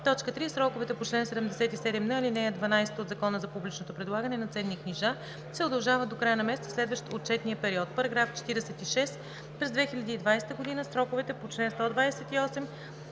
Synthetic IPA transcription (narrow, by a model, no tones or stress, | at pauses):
t̪ɔt͡ʃkət̪ɾisɾɔkʊvɛt̪ɛpot͡ʃlɛnsɛd̪ɛmd̪ɛsɛt̪isɛd̪ɛmnəilinɛjəd̪vɐnajsɛt̪od̪zɐkɔnəzɐpublit͡ʃnot̪opɾɛd̪lˠaɡənɛnɐt̪sɛnːikniʒa | sɛod̪ɐlˠʒavəd̪d̪okɾajənɐmɛst̪slɛd̪vəʃt̪ot̪̚t͡ʃɛt̪nijəpɛɾiɔt̪pɐɾɐɡɾaft͡ʃɛ̥t̪iɾɛsɛt̪iʃɛs | pɾɛzd̪vɛxilʲəd̪iːd̪vajst̪əɡod̪inəsɾɔkʊvɛt̪ɛpot͡ʃlɛnst̪ɔd̪vajsɛt̪iɔsɛm